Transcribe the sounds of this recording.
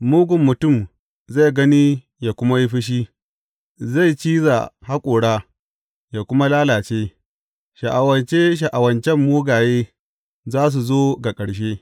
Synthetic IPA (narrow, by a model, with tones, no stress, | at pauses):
muː˦ɡʷʊ˨mːʊ˨tʊ˦˨m | za˦˨jɡɐ˦ni˦ | ja˨kʷʊ˦ma˦ji˦ɸɪ˦ʃ̬i˦ | za˦˨jt͡ʃiː˦za̰˨ha˦kʷʼoː˨ɽaː˦ | ja˨kʷʊ˦ma˦laː˦laː˨t͡ʃeː˦ | ʃa˨ʔa˨wɐ˨nt͡ʃe˦ʃ̬a˨ʔa˨wɐ˨nt͡ʃɛ˦mːuː˦ɡaː˨jeː˦ | zaː˦s̬u˨zoː˦ɡa˨kʼɐ˨ɽʃ̬e˦